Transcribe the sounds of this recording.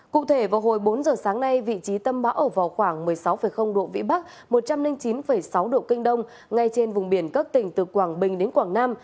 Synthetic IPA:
kṵ˧˨t̪ʰe˧˩vaː˨˩wɦo˨˩jɓo˨˦nzəː˨˩saː˨˦ŋna˧jvḭ˧˨t͡ɕi˨˦t̪ə˧mɓaː˨˦wʔəː˧˩va˨˩wxwaː˧˩ŋmɨ˨˩əjsa˨˦wfə˧˨˩jxə˧wŋ͡mɗo̰˧˨vḭ˧˨ɓa˦˥k̚ | mo˨˩t̚t͡ɕa˧mnï˧ŋt͡ɕi˨˦nfə˧˩jsa˨˦wɗo̰˧˨ki˧ŋ̟ɗə˧wŋ͡m | ŋa˧jt͡ɕe˧nvʊ˨˩ŋ͡mɓi˧˩ənkə˦˥k̚t̪ï˧˩ŋ̟t̪ɨ˨˩kwaː˧˩ŋɓï˨˩ŋɗe˨˦nkwaː˧˩ŋnaː˧m

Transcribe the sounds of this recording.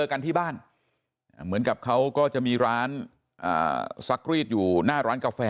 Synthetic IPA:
ɤː˧ka˧nt̪ʰiː˥˩baː˥˩n | a˧˩mɯ˩˦ənka˨˩p̚kʰa˦˥wkɔː˥˩t͡ɕa˨˩ʔmiː˧ɾaː˦˥n | ʔa̰ː˨˩sa˦˥k̚ɾiː˥˩t̪̚juː˨˩naː˥˩ɾaː˦˥nkaː˧fɛː˧

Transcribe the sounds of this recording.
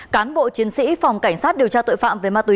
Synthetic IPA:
kaː˨˦nɓo̰˧˨t͡ɕi˨˦ənsḭ˧˥fɔ˨˩wŋ͡mka˧˩jŋ̟saː˦˥t̚ɗi˨˩əwt͡ɕaː˧t̪o̰˧˨fa̰ː˧˨mve˨˩maː˧t̪wi˨˦

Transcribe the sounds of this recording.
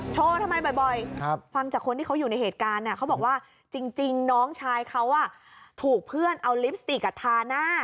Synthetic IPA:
t͡ɕʰoː˧t̪ʰa˧ma˧jbɔ˨˩jbɔ˨˩jfa˧ŋt͡ɕaː˨˩kʰo˧nt̪ʰiː˥˩ka˦˥wju˨˩na˧jheː˨˩t̪̚kaː˧nːi˧˩kʰa˦˥bɔː˨˩k̚waː˥˩ | t͡ɕi˧ŋt͡ɕi˧ŋnɔː˦˥ŋt͡ɕʰaː˧jkʰa˦˥wʔa˨˩ | t̪ʰuː˨˩k̚pʰɯ˥˩ənʔa˧wli˦˥p̚st̪i˨˩ka˧˩t̪ʰaː˧naː˥˩

